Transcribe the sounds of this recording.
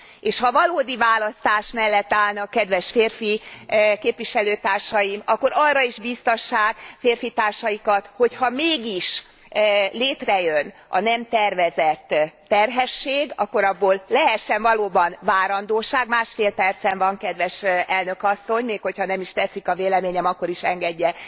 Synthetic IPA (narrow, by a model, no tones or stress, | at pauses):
eːʃhɒvɒloːd̪ivaːlɒst̪aːʃmɛlːɛt̪ːaːlnɒkːɛd̪ʋɛʃfeːrfikeːpʋiʃɛløːt̪aːrʃɒjimɒkːo̞ɾɒrːɒiʒbist̪ɒʃːaːɡfeːrfit̪aːrʃɒjikɒt̪ho̞chɒmeːɡiʃ | leːt̪rɛjøn | ʔɒ̰nɛmt̪ɛrvɛzɛt̪ː | ɛrɦɛʃːeːɡɒ̰kːo̞ɾɒbːoːlːɛɦɛʃːɛɱvɒloːbɒnvaːɾɒnd̪oːʃaːɡmaːʃfeːlpɛrt̪sɛɱvɒŋkɛd̪ʋɛʃɛlnø̞kɒsːo̞ɲmeːkho̞chɒnɛmiʃt̪ɛt̪sikɒveːlɛmeːɲɛmɒkːo̞ɾiʃɛŋɡɛɟːɛ